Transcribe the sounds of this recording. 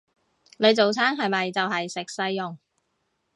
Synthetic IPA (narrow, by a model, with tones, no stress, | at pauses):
ne˨˧jt͡so˨wt͡sʰaː˥ŋɦɐ˨jmɐ˨jt͡sɐ˨wɦɐ˨jsɪ˨k̚sɐ˧jːʊ˨ŋ